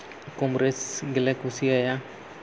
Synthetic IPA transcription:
komɾesɡelɛkusiaja

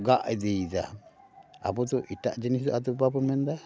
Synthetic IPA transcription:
ɡaʔɛd̪ejd͡ʒa | a̰bɔt̪ɔʔiʈa̰ʔd͡ʒinisd̪ɔʔat̪ɔbapɔmɛnd̪a

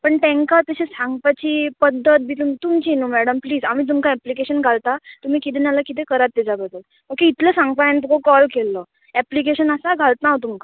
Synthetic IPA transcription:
pəɳʈ̪ẽŋkat̪əɕesãŋɡpat͡ɕiːpəd̪ʱːət̪̚biːt̪umt̪umt͡ɕinuːmɛɽəmpliːzamit̪̬umkaɛplikeɕənɡʱalt̪at̪um̤iːkit̪̬enaləkit̪̬ekəɾat̪ːɛd͡ʑabəd̪ʱːəl | məkːeit̪ʰləːsãŋɡpaant̪ukokɔlkelːə | ɛplikeɕənəsaɡʱalt̪naɦot̪umka

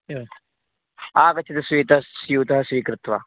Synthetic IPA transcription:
aːkɐt͡ʃʰːit̪ɐsʋiːt̪ɐsjuːt̪ɐɦɐsʋiːkɾɪt̪ʋɐ̰

